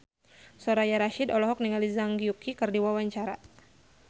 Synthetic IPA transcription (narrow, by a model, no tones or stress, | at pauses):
sɔɾajaɾaʃidɔlɔɦɔk̚niŋalizaŋɡiukikɨrdiwawaɲt͡ʃaɾa